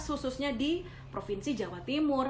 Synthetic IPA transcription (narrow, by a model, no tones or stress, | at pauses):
shususɲadi | pɾofinsid͡ʒawat̪imʊr